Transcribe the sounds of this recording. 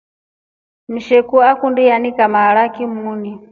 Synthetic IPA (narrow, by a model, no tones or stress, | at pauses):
m̩ʃɛkuakundijanikamaɺakimuni